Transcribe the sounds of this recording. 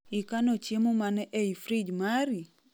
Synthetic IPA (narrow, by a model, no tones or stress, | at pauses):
ikanot͡ʃemomanɛʔeifɾid͡ʒmaɾi